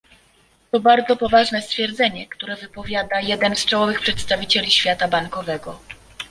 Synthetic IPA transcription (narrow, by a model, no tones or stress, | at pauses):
t̪ɔbaɾd̪zɔpɔvaʐnɛst̪fʲjɛɾd̪zɛɲɛkt̪uɾɛvɘpɔvʲjad̪ajɛd̪ɛnst͡ʂawɔvɘxpʂɛt̪st̪avʲit͡ɕɛlʲiɕfʲjat̪abaŋkɔvɛɡɔ